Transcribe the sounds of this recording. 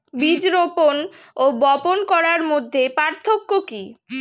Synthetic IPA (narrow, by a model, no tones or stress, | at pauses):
bid͡ʑɾopon | obɔponkɔɾaɾmod̪ʱːepaɾt̪ʰokːoki